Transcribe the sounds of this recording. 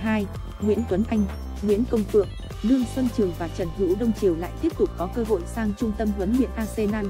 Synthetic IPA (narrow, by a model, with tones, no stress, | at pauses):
ɦaː˧j | ŋwḭ˧˥nt̪wə˨˦nʔa˧jŋ̟ | ŋwḭ˧˥ənkə˧wŋ͡mfɨ̰˧˨əŋ | ɗɨ˧əŋswə˧nt͡ɕɨ˨˩əŋvaː˨˩t͡ɕə˨˩nhɨ̰˧˥wɗə˧wŋ͡mt͡ɕi˨˩əwla̰ː˧˨jt̪i˦˥əp̚t̪ʊ˨˩k͡p̚kɔ˨˦kəː˧ɦo̰˧˨jsaː˧ŋt͡ɕʊ˧ŋ͡mt̪ə˧mhwə˨˦nɓḭ˧˨ənʔaː˧se˧naː˧n